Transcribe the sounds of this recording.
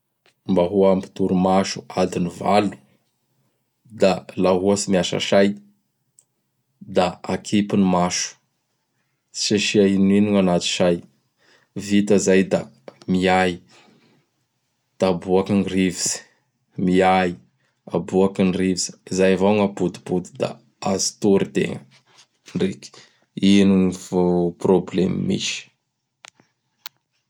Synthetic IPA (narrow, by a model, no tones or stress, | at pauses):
mbaɦuampi̥t̪uɾumaʃu̥ad̪iniva̰lu̥ | d̪alaɦuasimiaʃa̰ʃaj | d̪aakʰipinimaʃu̥ | i̥ʃeʃiaininiŋanat̪i̥ʃaj | vit̪əzajd̪a | miaji | d̪̥abuakinirivisi̥ | miai | a̰buakinrivizi̥izajvoŋabud̪i̥bud̪id̪a̰ | azi̥t̪uɾid̪ḛŋ | nreki̥ | iniŋivoproblemḭmḭʃi̥